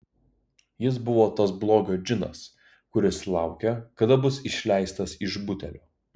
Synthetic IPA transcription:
jɪs̬bʊʋoːt̪ɐsblˠoːɡʲoːd͡ʒʲɪnɐ̰s | kʊɾʲɪslˠɑˑʊkʲɛkɐd̪ɐbʊsɪʃʲlʲæɪst̪ɐsɪʒbʊt̪ʲɛlʲoː

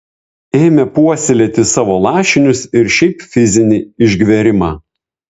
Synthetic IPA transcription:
eːmʲɛpuɔsʲɪlʲɛt̪ʲɪsɑːʋoːlˠɑːʃʲɪnʲʊsɪɾʃʲɛɪpfʲɪzʲɪnʲɪɪʒʲɡʲʋʲɛɾʲɪmɑː

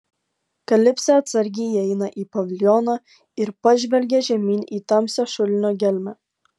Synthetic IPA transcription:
kɐlʲɪpʲsʲɛɐt̪sɐɾʲɡʲiːɛɪnɐʔiːpɐʋʲɪlʲjɔnɑ | ɪɾpɐʒʲʋʲɛlʲɡʲɛʒʲɛmʲiːnʲiːt̪ɑmʲsʲoʃʊlʲɪnʲoːɡʲɛlʲmʲɛ

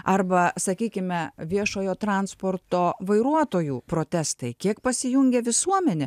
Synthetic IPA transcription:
ɐɾbɐsɐkʲiːkʲɪmʲɛʋʲiɛʃoːjoːt̪ɾɑnspoːrt̪oːʋɐɪɾuɔt̪oːjuːpɾoːt̪ʲæst̪ɐɪkʲiɛkpɐsʲɪjʊŋʲɡʲɛʋʲɪsuɔmʲɛnʲɛ

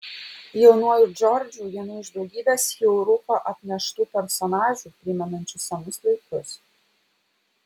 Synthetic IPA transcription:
jɛʊnuɔjud͡ʒɔɾʲd͡ʒʲuːʋʲiɛnʊɪʒd̪ʊɡʲiːd̪ʲɐshʲɛʊɾʊpɐʔɐt̪ʲnʲɛʃt̪uːpʲɛɾsɔnɑːʒʲuːpʲɾʲɪmʲɛnɐnʲt͡ʃʲʊsʲɐnʊslˠɐɪkʊs

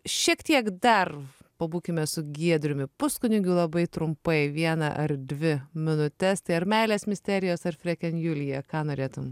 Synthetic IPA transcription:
ʃʲiɛkt̪ʲiɛkd̪ɐrpɐbuːkʲɪmʲɛsʊɡʲiɛd̪ʲɾʲʊmʲɪpʊskʊnʲʊɡʲɪlˠɐbɐɪt̪ɾʊmpɐɪʋʲiɛnɐʔɐrd̪ʲʋʲɪmʲɪnʊt̪ʲɛst̪ɐɪɐɾmʲɛɪlʲeːsmʲɪsʲt̪ʲæːɾʲɪjoːsɐrfʲɾʲɛkʲɛnjulʲɪjɛkɑːnoːɾʲeːt̪ʊm

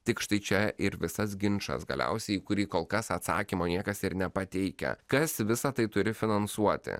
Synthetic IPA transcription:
t̪ʲɪkʃt̪ɐɪt͡ʃʲɛʔɪɾʋʲɪsɐsɡʲɪnt͡ʃɐ̰sɡɐ̰lʲɛ̰ʊsʲɛɪiːkʊɾʲiːkoːlˠkɐsɐt̪sɑ̰ːkʲimoːnʲiɛkɐsɪɾnʲɛpɐt̪ʲɛɪkʲɛ̰kɐsʋʲɪsɐt̪ɐɪt̪ʊɾʲɪfʲɪnɐnsuɔt̪ʲɪ̰

